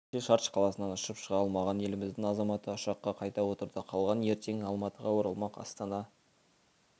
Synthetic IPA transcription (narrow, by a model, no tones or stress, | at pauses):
eʃɑɾt̪ʃqʰɑlˠɑsənɑnʊʃəpʃəʁɑlˠmɑʁɑne̞lɪmɪzd̪ɪŋɑzɑmɑt̪əʊʃɑqːɑqʰɑjt̪ɑwo̞t̪əɾd̪əqʰɑlˠʁɑne̞ɾt̪e̞ŋɑlˠmɑt̪əʁɑwoɾɑlˠmɑqɑ̰st̪ɑnɑ